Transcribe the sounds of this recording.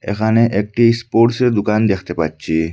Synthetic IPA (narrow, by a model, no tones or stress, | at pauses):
ḛxanẽʔek̚ʈispoɾʈsed̪ʊkand̪ekʰt̪epa̰t͡ɕiː